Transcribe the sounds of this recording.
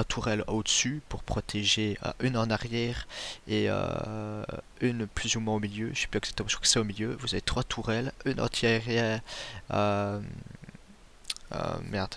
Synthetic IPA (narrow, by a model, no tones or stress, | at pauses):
t̪ʰuʁɛlod̪əsypuʁpχɔt̪ʰeʒeə̰ʔynɑ̃naʁjɛːʁeø̰ | ynplyzumwɛ̃omiljø̰ʒəsɛ̥pyɛksḁkt̪əmɑ̃ʒ̥əkʰχwḁkə̥sɛomiljøvuzavet̪χwat̪ʰuʁɛlynɑ̰̃t̪ʰjaʁjɛ | øm | ø̰mɛʁd̪